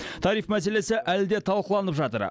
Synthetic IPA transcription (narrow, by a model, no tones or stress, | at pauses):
t̪ʰɑɾijfmæs̬e̞le̞sɪʔæld̪e̞t̪ʰɑlˠqəlˠɑnəpʒɑt̪ə̰ɾ